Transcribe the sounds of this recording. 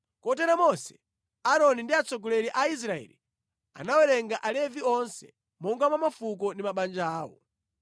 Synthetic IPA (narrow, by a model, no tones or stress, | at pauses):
kɔtɛɾamɔsɛ̥ | aɾɔnindiat͡sɔɡɔlɛɾiʔais̬ɾaɛ̰li | a̰nawɛɾɛŋɡaʔalɛviɔnsɛ̰ | mɔŋɡamwamafuk̬ɔndimaɓand͡ʒaːwɔ̰